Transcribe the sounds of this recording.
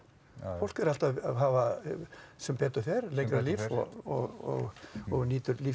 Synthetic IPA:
fowl̥kɛɾal̥t̪aðaðɦaːva | sɛmpɛːt̪ʏ̥θɛɾlejŋkɾalivɔ̰ɔɣɔ̰ɣɔɣniːt̪ʏɾliː

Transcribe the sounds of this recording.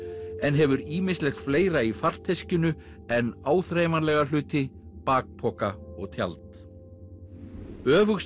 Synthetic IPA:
ɛnɦɛvʏɾiːmɪnslɛxfleːjɾaifar̥t̪ʰːejscʏnʏ | ɛnːaːwθɾejmalɛɣalʏːt̪ɪpaːk̚pʰɔːkaɔɣt̪ʰja̰lt̪ | œːvʏxs

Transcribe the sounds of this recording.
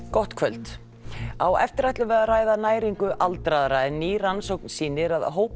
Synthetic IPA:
kɔht̪kʰvœlt̪ | awɛ̰ft̪ɪɾajt̪lʏvɛːðaraːjðanaːjɾiŋkʏʔalt̪ɾaðɾaɛnːiːransowknsiːnɪɾaðɦoːwp

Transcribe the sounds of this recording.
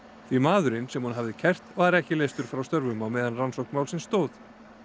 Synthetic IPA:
θvimaːðʏɾɪnsɛmhunɦavðɪcʰɛr̥t̪vaɾɛhcɪlejst̪ʏɾ̥fɾawst̪œɾvʏmamɛːðanransowknmawlsɪnst̪oːwθ

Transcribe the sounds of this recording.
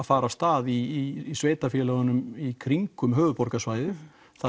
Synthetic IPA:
faːɾast̪aːðiːsveːjt̪afjɛːlaɣanʏmikʰɾiŋkʏmɦœːvʏpɔɾkasvaːjðʏ | θa

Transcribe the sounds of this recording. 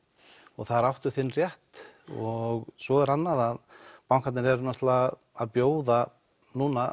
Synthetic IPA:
ɔɣθaðɾawht̪ʏθɪnːrjɛht̪ɔɣsvɔɛɾanːaðaðpawŋkʰat̪nɪɾɛɾnɔht̪la | aðpjoːwða | nuːna

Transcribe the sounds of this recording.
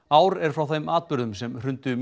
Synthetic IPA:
aːwɾɛɾ̥fɾawθejmaːt̪̚pʏɾðʏmsɛmr̥ʏnt̪ʏm

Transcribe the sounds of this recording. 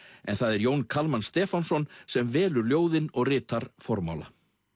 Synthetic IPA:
ɛ̰nθaðɛɾjoːwnkʰalmanst̪ɛːfansɔnsɛmvɛːlʏɾljoːwðɪnɔɣrɪːt̪aɾfɔɾma̰ːwla̰

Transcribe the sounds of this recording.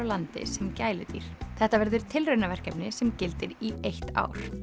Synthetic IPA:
awlant̪ɪ̰sɛmcaːjlɪt̪ḭɾ̥θɛht̪avɛɾðʏɾ̥t̪ʰɪlrœɥnavɛr̥kɛpnɪsɛmcɪlt̪ɪɾiejht̪a̰ːwɾ̥

